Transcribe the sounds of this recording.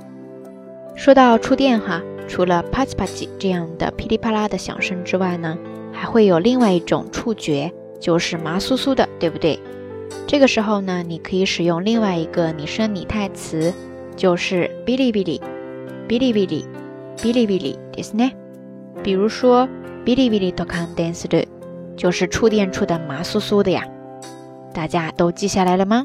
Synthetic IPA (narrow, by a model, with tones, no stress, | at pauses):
ʂwɔ˥t̪ɑ˥˧ʊʈ͡ʂʰu˥t̪jɛ˥˩nxa˨˩ʈ͡ʂʰu˧˥lə˧pʰa˥t͡sʰi˥pʰa˥˩t͡ɕḭ˨˩ʈ͡ʂɤ˥˧jɑ˥˩ŋd̪ə̰˩pʰi˥li˥pʰa˥la˥d̪ə˨ɕjɑ̰˨˩ŋʂɤ˥ŋʈ͡ʂɻ̩˥wa˥˩ɪnə˩ | xa˧˥ɪxwe˥˩ɪjo˨˩ʊli˥˧ŋwa˥˧ɪi˥˩ʈ͡ʂʊ̰˨˩ŋʈ͡ʂʰu˥˩t͡ɕɥɛ˧˥ | t͡ɕjo˥˧ʊʂɻ̩˥˩ma˧˥su˥su˥d̪ə˨t̪we˥˩ɪbu˩t̪we˥˩ɪ | ʈ͡ʂɤ˥˩ɡə˩ʂɻ̩˧˥xo˥˧ʊnə˩ni˨˩kʰɤ˧˥i˧˥ʂɻ̩˨˩jʊ˥˧ŋli˥˧ŋwa˥˩ɪi˧˥ɡə˧ni˨˩ʂɤ˥ŋnḭ˨˩t̪ʰa˥˩ɪt͡sʰɹ̩˧˥ | t͡ɕjo˥˧ʊʂɻ̩˥˩pi˥li˥˧pi˥˩lḭ˨˩ | pi˥li˥˧˩pi˥˩lḭ˥˩ | pi˥li˥˧pi˥˧˩lḭ˨˩t̪i˧˩snɛ˥˩ | pi˨˩ɻu˧˥ʂwɔ˥ | pi˥li˥˧pi˥˧li˥˩t̪ʰɔ˧˩kʰɑ˥ŋt̪ɛ˥nsɾu˥˩ | t͡ɕjo˥˧ʊʂɻ̩˥˧ʈ͡ʂʰu˥˧t̪̬jɛ˥˧nʈ͡ʂʰu˥d̪ə˨˩ma˧˥su˥su˥d̪ə˨ja̰˨˩ | t̪a˥˩t͡ɕja˥t̪o˥ʊt͡ɕi˥˧ɕja˥˩la˧˥ɪlə˧mɐ˩